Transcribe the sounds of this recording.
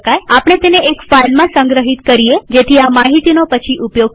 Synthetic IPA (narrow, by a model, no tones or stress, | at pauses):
kajapɽ̃et̪eneekfailmãsə̃ŋɡɾəɦit̪kəɾied͡ʒet̪ʰiamaɦit̪inopət͡ʃʰiʔupjoɡ̚